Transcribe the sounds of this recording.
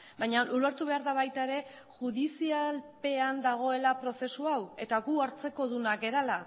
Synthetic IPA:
bajɲaʔuleɾt̪uβe̞aɾðaβajt̪aeɾe̞ | ʝuð̞isialpe̞and̪aɣ̞o̞e̞lapɾo̞θe̞suawe̞t̪aɣuaɾt͡se̞ko̞ðunake̞ɾala

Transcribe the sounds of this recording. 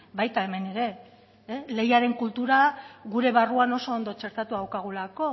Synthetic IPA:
bajt̪ae̞me̞ne̞ɾe̞ | le̞jaɾe̞ŋkult̪uɾaɣuɾe̞βaruano̞so̞ːnd̪o̞t͡ʃe̞ɾt̪at̪uawkaɣ̞ulako̞

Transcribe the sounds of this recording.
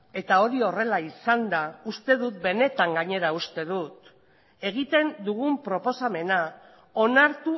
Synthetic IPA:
e̞t̪ao̞ɾio̞re̞laisand̪aust̪e̞ð̞ut̪̚be̞ne̞t̪aŋɡaɲe̞ɾaust̪e̞ð̞ut̪ | e̞ɣ̞it̪e̞nd̪uɣumpɾo̞po̞same̞na | o̞naɾt̪u

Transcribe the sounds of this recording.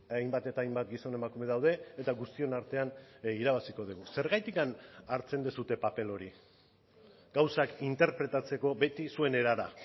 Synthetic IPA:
ajmbat̪e̞t̪aːjmbat̪ɡiso̞ne̞makume̞ðawð̞e̞ːt̪aɣust̪io̞naɾt̪e̞aniɾaβ̞asiko̞ð̞iɣuse̞ɾɣajt̪ikanaɾt͡se̞nd̪esut̪e̞pape̞lo̞ɾi | ɡ̥awsakint̪e̞ɾpɾe̞t̪at͡se̞ko̞be̞t̪isue̞ne̞ɾaɾa

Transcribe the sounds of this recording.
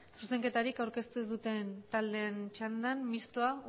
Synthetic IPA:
suse̞ŋke̞t̪aɾikawɾke̞st̪uzðut̪e̞nt̪ald̪e̞nt͡ʃand̪anmist̪oa

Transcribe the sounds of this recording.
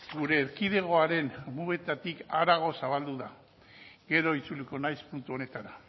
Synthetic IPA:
ɡuɾe̞ːɾkiðe̞ɣ̞o̞aɾe̞nmuβe̞t̪at̪ikaɾaɣ̞o̞saβald̪uða | ɡe̞ɾo̞it͡suliko̞najspunt̪uo̞ne̞t̪aɾa

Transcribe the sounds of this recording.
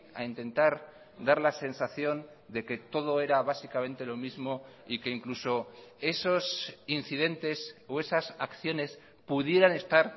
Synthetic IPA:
a̰int̪e̞nt̪aɾ | d̪aɾlase̞nsaθjo̞n | d̪e̞ke̞t̪o̞ð̞o̞e̞ɾaβasikamẽ̞nt̪e̞lo̞mizmo̞ike̞iŋkluso̞e̞so̞sinθiðe̞nt̪e̞so̞e̞sasakθjo̞ne̞s | puðje̞ɾane̞st̪aɾ

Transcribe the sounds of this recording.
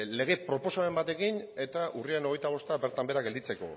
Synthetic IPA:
le̞ɣ̞e̞pɾo̞po̞saembat̪e̞kine̞t̪aʔuriaeno̞e̞jt̪aβ̞o̞st̪aβe̞ɾt̪ambe̞ɾaɡe̞ld̪it͡se̞ko̞̰

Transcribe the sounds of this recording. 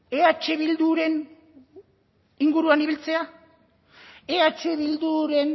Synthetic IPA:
eat͡ʃe̞βild̪uɾe̞n | iŋɡuɾuaniβilt͡se̞a | eat͡ʃe̞βild̪uɾe̞n

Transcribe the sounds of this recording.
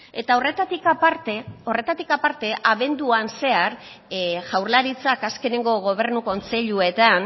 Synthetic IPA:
e̞t̪aoret̪at̪ikapaɾt̪eo̞re̞t̪at̪ikapaɾt̪e̞ʔaβe̞nd̪uanse̞aɾ | ʝawɾlaɾit͡sakaske̞ne̞ŋɡo̞ɣ̞o̞β̞e̞ɾnuko̞nt͡se̞ʎue̞t̪an

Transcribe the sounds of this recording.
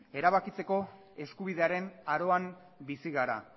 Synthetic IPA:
e̞ɾaβakit͡se̞ko̞ | e̞skuβiðe̞aɾe̞naɾo̞am | bisiɣaɾa̰

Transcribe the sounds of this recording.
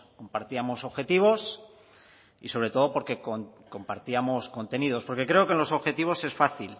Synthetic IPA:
ko̞mpaɾt̪iamo̞so̞βxe̞t̪iβ̞o̞s | iso̞β̞ɾe̞t̪o̞ð̞o̞po̞ɾke̞koko̞mpaɾt̪iamo̞sko̞nt̪e̞niðo̞spo̞ɾke̞kɾe̞okenlo̞so̞βxe̞t̪iβ̞o̞se̞sfaθil

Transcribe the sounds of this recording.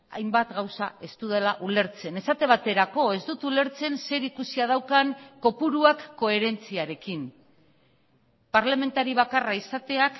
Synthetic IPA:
a̰jmbat̪ɡawsae̞st̪uðelaʔule̞ɾt͡se̞ne̞sat̪e̞β̞at̪e̞ɾako̞e̞zd̪ut̪ule̞ɾt͡se̞nse̞ɾikusiað̞awkaŋko̞puɾuakːo̞e̞ɾe̞nt͡siaɾe̞kin | paɾlame̞nt̪aɾiβakaraisat̪e̞ak

